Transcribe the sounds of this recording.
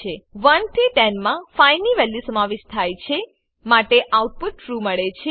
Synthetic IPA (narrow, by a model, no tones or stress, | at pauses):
eʋənt̪ʰiʈɛnmãfainiʋɛlːjisəmaʋeʃt̪ʰajt͡ʃʰe | maʈeʔauʈ̚puʈ̚ʈɾuməɭet͡ʃʰe